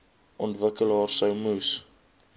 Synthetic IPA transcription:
ʔɔntvəkəlɦɑːrsəwmus

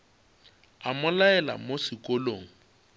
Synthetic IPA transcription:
amʊlaɛla̰mosɪkʼoloːŋ̩

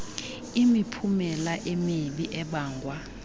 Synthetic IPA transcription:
imipʰumɛlaʔemiɓiʔɛɓaːŋɡʱwa

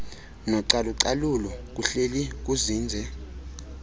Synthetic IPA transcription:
nɔǀaluǀalulɔk̬ʼuɬelik̬uziːnd͡zʱɛ

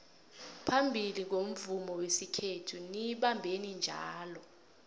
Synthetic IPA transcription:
pʰambʱilik̬om̩vumɔwesikʰetʰuniɓambʱenind͡ʒʱa̰ːlɔ

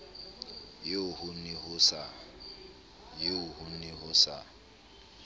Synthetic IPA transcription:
jeʊhʊnihʊsa | jɪʊhʊnihʊsa

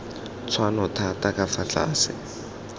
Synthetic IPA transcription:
t͡sʰwanɔtʰatakafaɬʰa̰ːsɪ̰

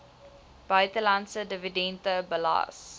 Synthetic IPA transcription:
b̥aɪt̪əlãnsədəvidɛ̃ntəbəla̰ːs

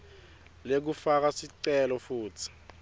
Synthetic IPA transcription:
lek̬ufak̬asiǀɛlɔfuːtʰi̥

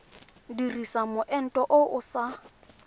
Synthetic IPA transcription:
dirisamʊʔɛn̩tʼɔʔʊʔʊsa

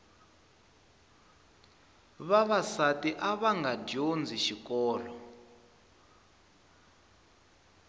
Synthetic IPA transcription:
βaβasatiʔaβaŋɡaɟond͡ziʃikɔːlɔ

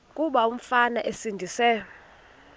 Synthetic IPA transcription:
kʼuɓaum̩fanaʔesindʱiːsɛ

